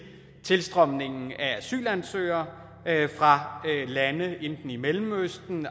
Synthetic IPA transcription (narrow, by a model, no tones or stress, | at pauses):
t͡sʰe̝lsd̥ʁɒ̽m̰ne̝ŋn̩ææsy̰ːlænsø̰ːɐ | fʁɑ̈lænəend̥n̩imelm̩øsd̥n̩